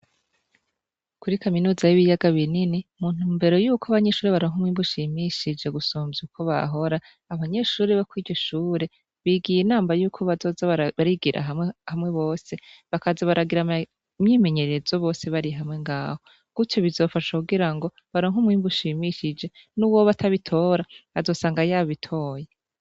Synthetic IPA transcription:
kuɾikaminuːzajiβijaɡaβininimun̥uːmbe̞ɾo̞juːkʰoaβaɲe̞ʃuːɾeβaɾoŋ̥ɦumwiːmbuʃimiʃid͡ʒe̞ɡusoːmzukʰo̞βa̰ɦo̞ɾaː | βaɲe̞ʃuːɾeβakwiːɟɟo̞ʃuːɾe̞ | βiɡijenaːmajuːkʰo̞βazo̞zaβaɾiɡiɾʔa̰ɦhamŋe̞βo̞ːse̞βakazaβaɾaɡiɾa | mɲime̞ɲe̞ɾe̞zoβo̞ːse̞βaɾiɦamŋe̞ŋɡaːho̞ | ɡ̥uto̞βizo̞ːfaʃakuɡiɾaŋɡo | βaɾoŋ̥umŋiːmbuʃimiʃid͡ʒe̞nuwoβatʰaβitʰo̞ːɾaazo̞ːsaːŋɡajaβitʰo̞ːje

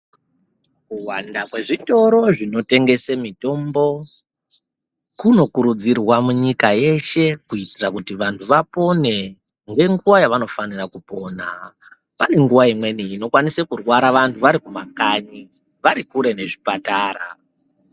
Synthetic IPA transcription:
kuwandakwe̞ʐito̞ɾo̞ʐino̞te̞ŋɡe̞semito̞mbo̞ | kuno̞kuɾud͡zirwamuɲikaje̞ʃe̞kuitirakutiʋantʰuʋapo̞ne̞ | ŋɡe̞ŋɡuʋajaʋano̞fanirakupo̞na̰ | pane̞ŋɡuʋaimwe̞niino̞kwanisekurwaɾaʋantʰuʋaɾikumakaɲi | ʋaɾikuɾe̞ne̞ʐipataːra̰

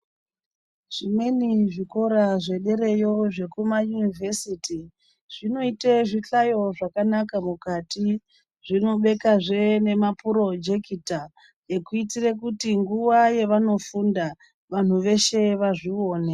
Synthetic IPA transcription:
ʐ̥imwe̞niʐiko̞ɾaʐe̞ɗe̞ɾe̞jo̞ʐe̞kumajunivʱesiti | ʐ̥ino̞iteʐit͡ɬajo̞ʐakanakamukati | ʐino̞ɓe̞kaʐe̞ne̞mapuɾo̞d͡ʒekita | je̞kuitirek̬utiŋɡuʋaje̞ʋano̞funda | ʋan̤uʋe̞ʃe̞ʋaʐio̞ːne

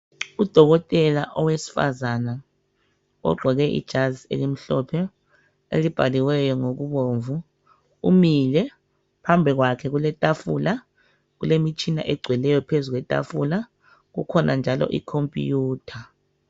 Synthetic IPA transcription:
ud̥ʱɔɣɔtʼɛlaʔɔwesi̥fa̰zana | ɔ̰ɡ͡ǃʱɔɣɛʔḭd̥ʒ̥ʱazḛlim̩ɬɔpʰɛ | ḛlib̥ʱaliwɛjɔŋoɣuβoɱvu | ṵmilɛ | pʰambʱiɣwakʰɛɣulɛtʼafṵla | ɣulemit͡ʃʰʼina̰ʔɛɡ͡ǀʱwɛlɛjɔpʰezuɣ̬wɛtʼa̰fula | ɣṵkʰɔnʔand͡ʒʱalɔ̰ʔḭkʰompʼijuːtʰa

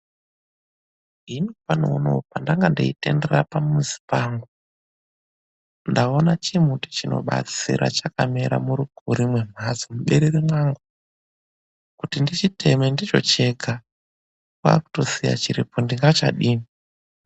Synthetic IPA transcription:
inipanounopandaŋɡandiite̞nde̞rapamuzi̥paːŋɡu | ndao̞nat͡ʃimuuti̥t͡ʃino̞̰ɓa̰t͡sḭɾʔa̰t͡ʃakameɾa̰muɾuɡʱuɾimwe̞m̤ʱazomuɓeɾeɾimwaŋɡu | kutindit͡ʃite̞mendit͡ʃo̞̰t͡ʃe̞ɡʱa | kwa̰ku̥to̞sija̰t͡ʃiɾipondiŋɡat͡ʃa̰ɗiːmi

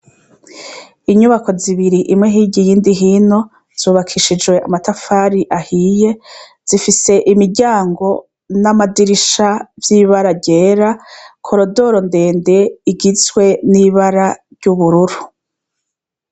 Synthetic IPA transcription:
iɲuβako̞ziβiɾiʔimŋe̞ɦiːɟijiːndiɦiːno̞ | z̥uːβakʰiʃid͡ʒwe̞ʔamatafaːɾiʔahiːje̞ | z̥ifise̞ʔimiɟaːŋɡo̞ | namadiɾiʃavjiβaɾaɟe̞ːɾakʰo̞ɾo̞do̞ɾo̞nde̞ːnde̞iɡizwe̞niβaɾaɾɟ̥uβuɾuɾu

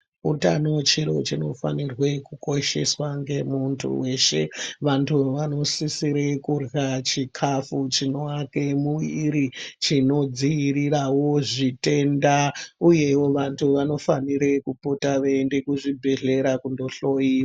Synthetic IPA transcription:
uta̰not͡ʃiɾo̞t͡ʃino̞fa̰nirwe̞kuko̞ʃe̞swaŋɡe̞muntʰṵwe̞ʃe̞ʋantʰuʋano̞sisiɾekurɣat͡ʃikʰafut͡ʃino̞akemuʋiɾit͡ʃino̞d͡zijiɾirawo̞ʐite̞ndauje̞wo̞ʋantʰuʋano̞faniɾe̞kupotaʋeːnde̞kuʐibʱe̞ɮe̞ɾakundo̞ɬo̞iːʋa

